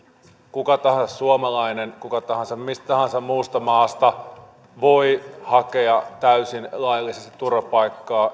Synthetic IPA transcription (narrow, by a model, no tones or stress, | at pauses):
kukɑt̪ɑhɑ̃nsɑssuomɑlɑinenkukɑt̪ɑɦɑnsɑmmist̪ɑhɑnsɑmmuːst̪ɑmɑːst̪ɑ | ʋo̞ihɑkeɑt̪æysinlɑjɑlːˑisest̪it̪urɑpɑikːɑː